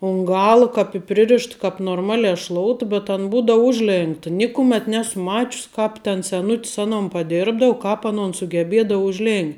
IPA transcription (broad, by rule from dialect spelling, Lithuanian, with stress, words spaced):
ʊn ˈɡɑːlˠɐ kɐp ɪ ˈpʲrʲɪrʲɪʃt kɐp noːrˈmɑːlʲɛ ʃlˠoːʊt bʲɛt ɐn ˈbuːdoːʊ ˈʊʒʲˌlʲeːŋktɐ ˈnʲɪkʊmʲeːt ˈnʲæːsʊ ˈmɑːt͡ʃʲʊs ˈkɑːp tʲɛn sʲɛˈnʊtʲs ˈɑːnoːn pɐˈdʲɪrbdɐʊ ˈkɑːp ɐˈnoːn sʊɡʲɛˈbʲeːdɐʊ ʊʒʲˈlʲeːnʲ